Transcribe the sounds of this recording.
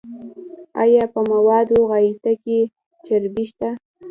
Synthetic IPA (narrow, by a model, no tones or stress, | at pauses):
ɑ̰jɑpəmawɑd̪oɣɑjit̪ake | t͡ʃaɾbiʃt̪a